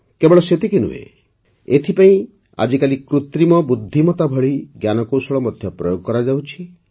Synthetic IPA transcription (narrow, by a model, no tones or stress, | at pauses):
kebɔɭɔset̪ikenṵḛ | et̪ʰipaĩ | a̰d͡ʒikalikɾut̪ɾimɔbud̪ʱːimɔt̪abʱɔɭiɡjanɔkowsɔɭɔmɔd̪ʱjɔpɾɔjoɡɔkɔɾad͡ʒawt͡ʃʰi